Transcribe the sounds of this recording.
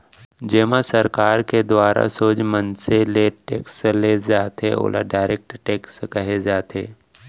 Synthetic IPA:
d͡ʒeːmãsəɾkaːɾked̪waːɾa̰soːd͡ʒmənseleʈeːksleːd͡ʒaːt̪eo̰ːla̰ɖaːɪɾeːk̚ʈʈeːkskəɦed͡ʒaːt̪ʰeː

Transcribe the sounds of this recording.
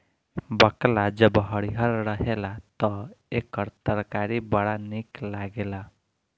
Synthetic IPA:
bəklad͡ʒʌbɦəɽiɦʌɾɾʌɦelat̪ʌekəɾt̪əɾkaɾibəɽaniklaɡela

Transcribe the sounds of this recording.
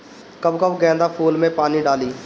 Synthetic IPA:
kəbkəbɡɛ̃ːnd̪aːpʰuːlmẽːpaːniːɖaːliː

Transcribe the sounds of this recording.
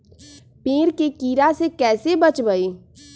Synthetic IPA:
peːɾkekiːɾasekɛːsebət͡ʃbəiː

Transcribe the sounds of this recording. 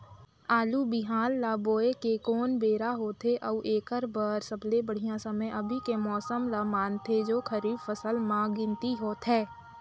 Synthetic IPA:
aːlubɪɦaːlːaːboːekekɔːnbeːɾaɦoːt̪ɦeʔəuʔeːkəɾbəɾsəblebəɽ̤ijãsəməjʔəbʱikemɔːsəmlamaːnt̪ʰed͡ʒoːkʰəɾiːbfəsəlmãɡɪ̃nt̪iɦoːt̪ɦɛː

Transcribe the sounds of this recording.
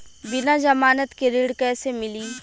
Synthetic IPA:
bɪnad͡ʒɐmaːnət̪keɾiːɽkɛːsemɪliː

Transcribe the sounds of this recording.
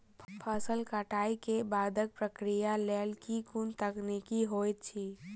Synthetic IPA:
pʰəsəlkəʈʰaːikebaːd̪ʱək̚pɾəkɾijalelkikunt̪əknikiɦojt̪̚t͡ʃʰi

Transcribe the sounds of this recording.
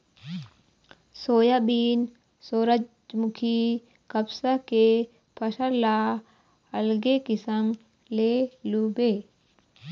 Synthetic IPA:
soːjabiːn | soːɾɐd͡ʒ | d͡ʒmukʰi | kɐbsake | pʰɐʃɐlaː | ɐlɡekɪsɐm | lelubeː

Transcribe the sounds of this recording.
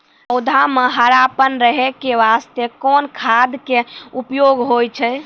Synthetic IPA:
əʊd̪ʱameɦəɾapənɾəɦekeʋast̪ekonkʰad̪keupjoɡɦojt͡ʃʰɛ

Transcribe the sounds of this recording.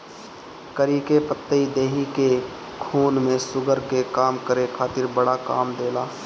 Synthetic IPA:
kəɾiːkepət̪ːəid̪eːɦike | kʰuːnmẽsʊɡəɾkekaːmkəɾekʰaːt̪ɪɾbəɽaka̰ːmd̪eːlaː

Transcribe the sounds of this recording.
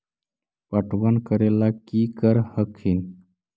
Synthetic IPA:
pəʈʰwənkəɾelakikəɾhəkhin

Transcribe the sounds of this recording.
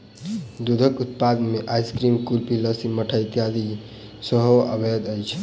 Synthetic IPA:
d̪ud̪ʱəkut̪̚pad̪meʔajskɾimkulpiləsiməʈʰəjt̪jad̪i | səɦoəbʱed̪əjt͡ʃʰ

